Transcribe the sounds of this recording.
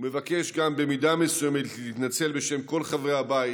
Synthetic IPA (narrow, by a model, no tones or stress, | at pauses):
ume̞vake̞ʃɡambe̞midamesujemetlit̪nat͡se̞lbe̞ʃe̞mko̞lχavʁeabai